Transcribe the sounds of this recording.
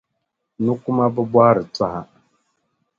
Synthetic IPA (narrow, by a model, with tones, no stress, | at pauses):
nu˦ku˦ma˦bə˦bwa˦ɾə˨t͡sa˦ha˨